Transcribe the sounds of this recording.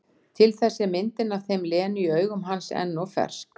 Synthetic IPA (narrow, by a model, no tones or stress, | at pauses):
t̪ʰɪlθɛsːɪmɪnt̪ɪnavθejmlɛːnʏiœːɥɣʏmɦansɛ̰nːɔfɛ̰r̥sk